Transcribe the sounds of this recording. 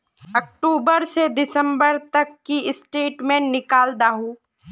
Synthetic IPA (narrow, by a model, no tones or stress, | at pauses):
ɐk̚ʈuːbəɾsed̪ɪsə̃mbəɾt̪ɐkːiɪsʈeːʈmẽnɪkaːld̪aːɦũː